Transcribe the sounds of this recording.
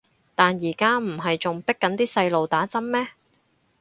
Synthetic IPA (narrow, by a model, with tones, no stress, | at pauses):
t̪aː˨njiː˨˩kaː˥m̩˨˩ɦɐ˨jt͡sʊ˨ŋpɪ˥kːɐ˨˥nt̪iː˥sɐ˧jlo˨wt̪aː˨˥t͡sɐ˥mmɛː˥